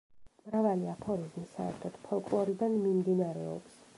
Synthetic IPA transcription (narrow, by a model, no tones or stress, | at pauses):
mɾavaliapʰɔɾizmisaɛ̰ɾt̪ʰɔd̪̥pʰɔlˠkʼlˠɔɾid̪anmimd̪inaɾɛɔ̰ps